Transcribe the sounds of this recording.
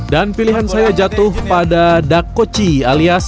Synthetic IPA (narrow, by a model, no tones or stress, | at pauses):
danpiliɦansajad͡ʒat̪ʊhpadadakːot͡ʃialias